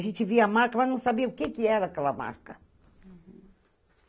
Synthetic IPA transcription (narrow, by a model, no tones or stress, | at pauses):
ʒẽnt͡ʃ̪ɪviamaɾkɐmɐznɐ̃w̃sabiɐukekɪɛɾɐaːkɛlɐma̰ɾkɐ